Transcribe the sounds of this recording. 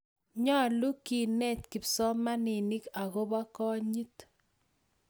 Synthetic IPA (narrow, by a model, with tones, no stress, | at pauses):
ɲɔ˦lu˦ki˨nɛ˦˨t̪ki˨psɔ˦ma˦ni˨ni˦ka˨ɣo˦ba˦kɔ˦ɲi˦t